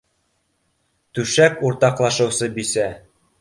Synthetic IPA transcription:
t̪ʉʃækuɾt̪ɑqlˠɑʃɤ̆wsɤbisæ

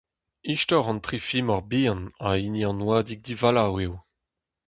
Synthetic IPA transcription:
iʃtɔʁɑ̃ntχifimɔʁbiːɑ̃nainjɑ̃nwad̪ik̚d̪ivalawew

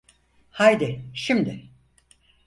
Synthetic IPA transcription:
hajd̪ɪʃimd̪ɪ

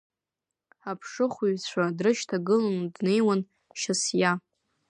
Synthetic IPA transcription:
apʰʂɨχʷuɥzt͡ɕʷadrɨʃtʰaɡɨlanudne̞jwan | ʃasja

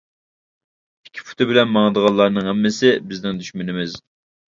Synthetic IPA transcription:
i̥kʲʰːi̥pu̥t̪ʰɨbɪlɛnmɑŋəd̪əʁɑlˠɑɾnɨŋɦɛmːɪsɪbɪznɪŋd̪yʃmynɪmɪz

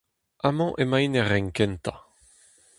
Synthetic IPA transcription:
amɑ̃ʔemajnɛʁɛŋkɛnt̪a

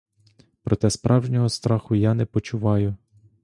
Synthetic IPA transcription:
pɾɔt̪ɛspɾʔɑwʒnʲɔɦɔst̪ɾɑxʊjanɛpɔt͡ʃʊʋɑjʊ

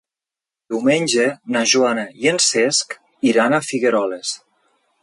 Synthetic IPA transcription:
d̪iwmeɲʲd͡ʒenaʒuanajensesk | iɾanafiɣeɾɔles

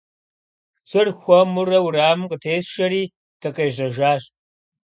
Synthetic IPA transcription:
sɨrxʷɔmurɐwɾaːmqʼətʰeːsʃɐɾiː | tʰɐqʼeːʒɐʒaːɕ

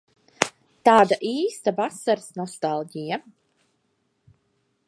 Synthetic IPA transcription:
t̪aːd̪aʔiːst̪avasaɾsnɔst̪alˠɟija

